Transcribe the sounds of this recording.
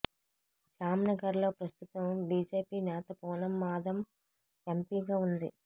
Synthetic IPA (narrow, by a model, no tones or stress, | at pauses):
t͡ʃaːmnɐɡɐɾlo̞ːpɾɐst̪ut̪ɐmbiːd͡ʒeːpiːnɛːt̪ɐpɔːnɐmːaːd̪ʱɐm | empiːɡaːund̪ḭ